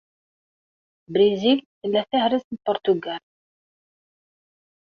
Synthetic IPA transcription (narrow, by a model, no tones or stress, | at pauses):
bɾizilθəlːæθæhɾəsn̚pʊɾt̪uɡæl